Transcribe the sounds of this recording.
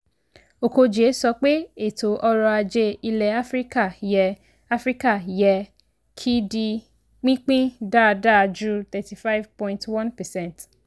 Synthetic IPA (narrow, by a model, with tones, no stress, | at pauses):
o˨ko˧d͡ʒe˨˦sɔ˧k͡pe˦e˦˨to˨ʔɔ˧ɾɔ˧a˧d͡ʒe˧i˧lɛ˨a˦fɾi˦ka˦˨jɛ˨ | a˦fɾi˦ka˦˨jɛ˨ | kʰi˦di˧ | k͡pĩ˦k͡pĩ˦da˦˧da˦˨a˧d͡ʒu˦t̪ɛ˨ti˨fa˦jvpɔ̃˦ĩ˦ntwã˦npɛ˨sɛ̃˦˨nt